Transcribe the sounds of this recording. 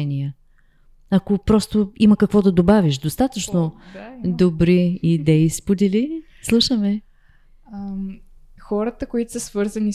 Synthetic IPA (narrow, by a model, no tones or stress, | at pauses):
niə | ɐkopɾɔst̪oiməkəkvɔd̪ɐd̪obavʲiʃd̪ost̪at̪ət͡ʃnod̪obɾiid̪ɛispod̪ɛli | slˠuʃəmɛ | m | xɔɾət̪əkoit̪ʊ̥səsvɤɾzəni